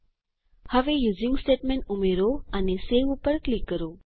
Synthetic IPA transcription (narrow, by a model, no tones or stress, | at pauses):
həʋejuzĩŋɡsʈeʈmẽɳʈumeɾoaneseʋupəɾklikːəɾo